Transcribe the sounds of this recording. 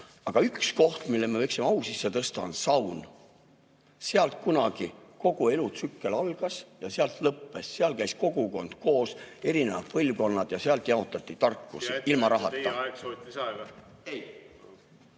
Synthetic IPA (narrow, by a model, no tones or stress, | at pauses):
ɑɡ̥ɑyksko̞ht̪milːemevɤjksimɑwsisːet̪ɤst̪ɑonsɑwn | seɑlt̪̚kunɑɡ̥iko̞ɡ̥ue̞lut̪sykːe̞lɑlɡ̥ɑsjɑseɑlt̪lɤpːe̞sːeɑlkæjsko̞ɡ̥uko̞nd̪̥ko̞ːse̞ɾine̞vɑ̰d̪̥̚pɤlʲvko̞nːɑd̪̥jɑseɑlt̪ˑjɑo̞t̪ːˑɑt̪ːˑit̪ɑrkːusilmɑɾɑɦɑtt̪ːɑ | ej